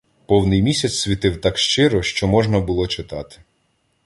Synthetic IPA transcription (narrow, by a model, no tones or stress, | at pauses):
pɔwnɪjmʲisʲɐt͡sʲsʲʋʲit̪ɪwt̪ɑkʃt͡ʃɪɾɔʃt͡ʃɔmɔʒnɐbʊlˠɔt͡ʃɪt̪ɑt̪ɪ̥